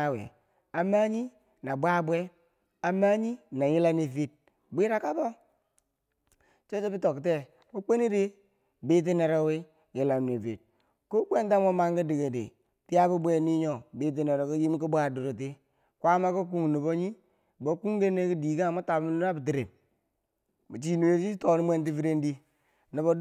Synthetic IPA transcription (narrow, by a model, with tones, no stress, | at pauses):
a˨wḛ˨ | a˨ma˦ɲi˦ | na˨bʷa˦bʷe˦ | a˨ma˦ɲi˦na˨ji˦la˦ne˨vi˦t̚ | ɡ͡bi˦ɾa˨ka˦bo˦ | t͡ʃo˦t͡ʃe˦bi˦to˨kte˦ | mu˦k͡pe˦ni˦ɾe˦ | bi˦t̬i˦ne˨ɾo˦wi˦ | ji˨la˨mne˨vḭ˨t̚ | ko˦k͡pe˦nta˦mo˦ma˦ŋɡi˦di˨ɡe˨dḛ˨ | ti˦ja˦bu˦bʷe˦ni˦ɲo˨bi˦t̬i˦ne˨ɾo˨ki˦ji˦m˦ku˦ba˨du˨ɾo˨t̬i˦ | kʷa˦ma˦ko˦k̬u˦ŋ˨nu˨bo˦ɲi˦ | bo˨˦ku˦ŋɡe˦ne˦ki˦di˨ɡa˦ma˦ta˨bm˦nu˦ɾa˦bi˨t̬i˨ɾe˨m | mu˨t͡ʃi˦nu˨e˦i˦to˨ni˦mʷe˦nt̬i˦fi˦ɾe˦ndi˦ | ni˨bo˦